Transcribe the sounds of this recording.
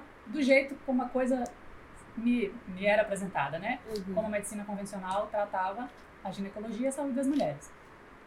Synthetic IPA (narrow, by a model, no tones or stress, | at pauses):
d̪ʊʒejt̪ʊkõmʊɐkojzɐ | mɪmɪɛɾɐapɾezẽnt̪a̰d̪ɐnɛkõmʊɐmed͡ʒɪsĩnɐkõvẽsionawt̪ɾat̪avɐ | ɐʒinekoloʒiɐsaud͡ʒɪd̪ɐzmuʎɛɾɪs